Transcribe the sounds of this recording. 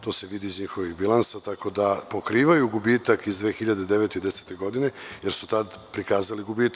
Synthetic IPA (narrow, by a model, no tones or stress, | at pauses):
t̪o̞ːse̞ʋid̪iːzɲixo̞ʋiɣbilˠansat̪ako̞d̪apo̞kɾiːʋajuɡubiːt̪akizd̪ʋeːxiʎad̪ed̪eʋe̞t̪eid̪ese̥ːt̪e̞ɡo̞d̪ine̞jeɾsu̥t̪ad̪pɾikaːzaliɡubiːt̪